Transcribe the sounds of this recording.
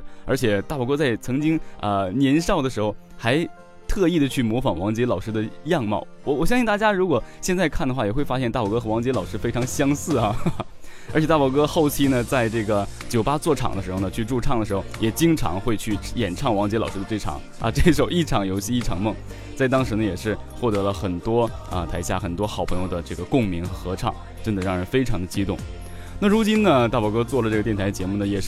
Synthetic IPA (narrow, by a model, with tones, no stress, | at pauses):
ə˞˧˥t͡ɕʰjɛ˨˩t̪a˥˩wɔ˨˩kɤ˥t͡sa˥˩ɪt͡sʰɤ˧˥ŋt͡ɕi˥ŋə˧njɛ˧˥nʂɑ˥˩ʊd̪ə˩ʂɻ̩˧˥xo˧ʊ | xa˧˥ɪ | t̪ʰɤ˥˧i˥˩d̪ə˩t͡ɕʰy˥˩mwɔ˧˥fɑ˨˩ŋwɑ˧˥ŋt͡ɕjɛ˧˥lɑ˨˩ʊʂɻ̩˥d̪ə˨jɑ˥˧ŋmɑ̰˥˩ʊwɔ˨˩wɔ˨˩ɕjŋɕi˥˧ŋt̪a˥˩t͡ɕja˥ɻu˧˥kwɔ˨˩ɕjɛ˥˧nt͡sa˥˧ɪkʰa˥˩nd̪ə˩xwa˥˩jɛ˨˩xwe˥˩ɪfa˥ɕjɛ˥˧nt̪a˥˩wɔ˨˩kɤ˥xwɑ˧˥ŋt͡ɕjɛ˧˥lɑ˨˩ʊʂɻ̩˥fe˥ɪʈ͡ʂʰɑ˧˥ŋɕjɑ˥ŋsɹ̩˥˩ɐ˩ | ə˞˧˥t͡ɕʰɛ˨˩t̪a˥˩wɔ˨˩kɤ˥xo˥˩ʊt͡ɕʰi˥nə˨t͡sa˥˧ɪʈ͡ʂɤ˥˩ɡə˩ | t͡ɕjo˨˩ʊpa˥t͡swɔ˥˩ʈ͡ʂʰɑ̰˨˩ŋd̪ə˦ʂɻ̩˧˥xo˧ʊnə˩t͡ɕʰy˥˧ʈ͡ʂu˥˧ʈ͡ʂʰɑ˥˩ŋd̪ə˩ʂɻ̩˧˥xo˥˧˩ʊjɛ˨˩t͡ɕi˥ŋʈ͡ʂʰɑ̰˧˥ŋxwe˥˧ɪt͡ɕʰy˥˩jɛ˨˩nʈ͡ʂʰɑ˥˩ŋwɑ˧˥ŋt͡ɕjɛ˧˥lɑ˨˩ʊʂɻ̩˥ə˧ʈ͡ʂɤ˥˩ɪʈ͡ʂʰɑ̰˨˩˦ŋɐ̰˧ʈ͡ʂɤ˥˩ʂo˨˩ʊi˥˩ʈ͡ʂʰɑ˨˩ŋjo˧˥ʊɕi˥˧i˥˩ʈ͡ʂʰɑ˨˩ŋmɤ˥˩ŋ | t͡sa˥˩ɪt̪ɑ˥ŋʂɻ̩˧˥nə˧jɛ˨˩ʂɻ̩˥˧ | xwɔ˥˩t̪ɤ˧˥lə˧xə˨˩nt̪wɔ˥ə˧t̪ʰa˧˥ɪɕja˥˩xə˨˩nt̪̬wɔ˥xʊpʰɤ˧˥ŋjo˥˧ʊd̪ə˩ʈ͡ʂɤ˥˩ɡə˩kʊ˥˩ŋmi˧˥ŋxɤ˧˥xɤ˧˥ʈ͡ʂʰɑ̰˥˩˦ŋ | ʈ͡ʂə˥nd̪ə˨ɻɑ˥˩ŋɻə˧˥nfe˥ɪʈ͡ʂʰɑ˧˥ŋd̪ə˧t͡ɕi˥t̪ʊ̰˥˩ŋ | na˥˩ɻu˧˥t͡ɕi˥nnə˨t̪a˥˩pwɔ˨˩kɤ˥t͡swɔ˥˩lə˩ʈ͡ʂɤ˥˩ɡə˩jɛ˥˩nʰ˧˥ɪt͡ɕjɛ˧˥mu˥˩nə˩jɛ˨˩ʂ